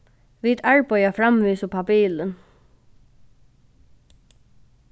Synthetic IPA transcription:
ʋid̪aɹpajafɾamʋiːsʊpʰapiːlən

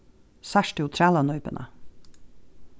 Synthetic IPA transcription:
sæʃteʊt̪ʰɾæːlɑnœʏpənʔə̰

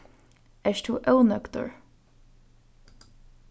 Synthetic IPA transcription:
ɛʃt̪ʰuːʔœwnœkt̪ʊ̰ɹ

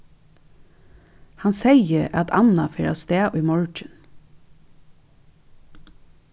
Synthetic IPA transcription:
hɑnseɪəɑt̪ʰɑ̰nɑfeɾɑ̰ːst̪eːʔiːmɔɹt͡ʃən

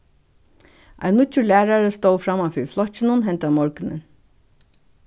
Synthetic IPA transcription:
ʔa̰ɪnːʊt͡ɕːʊlæːɹaɹəst̪oːwfɾamafɪɹflɔht͡ɕɪnʊnɦɛnt̪amɔɹkɪnɪ̰n

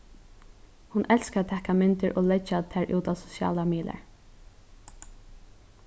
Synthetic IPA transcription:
hʊnʔɛlskat̪ʰːɛhkamɪnt̪ɪɹʔoːlɛt͡ʃːat̪ʰɛːɹʔṵːt̪aːʋsʊ̥sjɑ̰ːlamiːd̪la̰ɹ

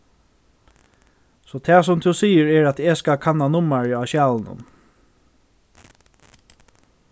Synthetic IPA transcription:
sɔːt̪ʰɛːs̬ʊmt̪ʰʊsiːəɹɛɹat̪ɛskakʰanːanʊmaɹaʃjɑːlənʊ̰n

